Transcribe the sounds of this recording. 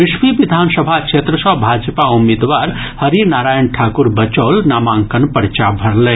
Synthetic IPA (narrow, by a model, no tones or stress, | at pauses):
ʋiʃʋiʋid̪ʱansəbʱakt͡ʃʰet̪ɾəsə̃bʱad͡ʒpaumːed̪ʋaɾ | həɾinaɾajənʈʰakuɾbət͡ʃəlnamaŋkənpəɾt͡ʃabʱəɾlɛ